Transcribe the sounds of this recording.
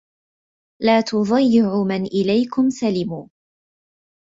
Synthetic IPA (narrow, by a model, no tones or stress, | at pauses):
laːt̪ʊðˤɑjːɪʕʊmanʔɪlajkʊmsalɪmuː